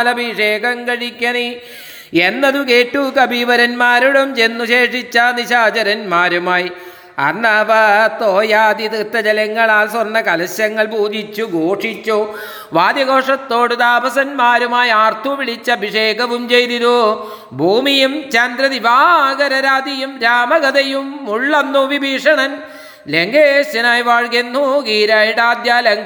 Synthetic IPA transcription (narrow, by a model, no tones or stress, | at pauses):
lɐbʱiʂeːkɐŋkɐɻikʲːɐni | e̞nːɐðukeːʈːukɐbʱiʋɐɾɐnmaːɾuɽɐmt͡ɕenːuɕe̞ːʂit͡ɕːaniɕaːt͡ɕɐɾɐnmaːɾumaːji | ɐ̰nːabɐt̪oːjaːd̪it̪it̪ːɐd͡ʑɐlɐŋːɐɭaːlsɐrnːɐkɐlɐɕjɐŋːɐɭbʱuːd̪ʱit͡ɕːuɡoːʂit͡ɕːu | ʋaːd̪jɐɡo̞ːʂɐt̪ːoːɽud̪aːbɐsɐnmaːɾumaːjiaːrt̪ʰupiɭit͡ɕːɐbʱiʂeːkɐbumt͡ɕejt̪iðu | bʱuːmijumt͡ɕɐnd̪ɾɐðibʱaːɡɐɾɐɾaːd̪ijumɾaːmɐɡɐd̪ɐjumːuɭːɐnːuʋibʱiːʂɐɳɐn | leŋɡeːɕɐnaːjʋaːɻɡenːuɡiːɾaːjiɽaːd̪jaːleŋ